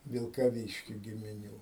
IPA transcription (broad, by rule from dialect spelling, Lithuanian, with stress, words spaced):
ʋʲɪlˠkɐˈʋʲiːʃʲkʲɪ ɡʲɪmʲɪˈnʲuː